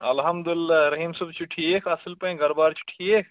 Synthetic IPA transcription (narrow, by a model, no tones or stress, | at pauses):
ɐlɦɐmd̪ulɪlːaɾɐɦiːmsubt͡ʃʊʈʰiekʰɐsəlpɐ̃ĩɡɐɾbaːɾt͡ʃʊ̥ʈʰːieːkʰ